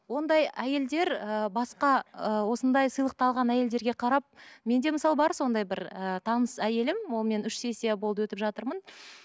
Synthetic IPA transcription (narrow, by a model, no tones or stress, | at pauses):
wo̞nd̪ɑjæje̞ld̪e̞ɾəbɑsqɑəwo̞sənd̪ɑjsəjlˠəq̚t̪ɑlˠʁɑnæje̞ld̪e̞ɾɡʲe̞qʰɑɾɑp̚me̞nd̪e̞məsɑlˠəbɑɾso̞nd̪ɑjbɪɾət̪ʰɑnəsæje̞lɪmwo̞lˠme̞nʏʃse̞sebo̞lˠd̪əwɵt̪ɪpʒɑt̪əɾmən